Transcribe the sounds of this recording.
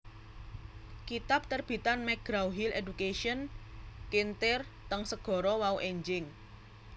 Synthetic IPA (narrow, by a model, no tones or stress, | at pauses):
kit̪ap̚t̪ərb̥i̤t̪anmɛɡ̥ɾawɦiledukeʃiənkint̪ɪr | t̪əŋsəɡ̥ɔ̤ɾɔwauʔeɲd͡ʒɪŋ